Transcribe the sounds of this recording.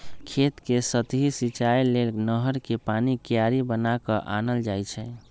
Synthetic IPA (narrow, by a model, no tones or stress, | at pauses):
kʰet̪kesət̪ɦisit͡ʃajlelnəɦəɾkepanikjaɾibənakəʔanəld͡ʒajt͡ʃʰɛ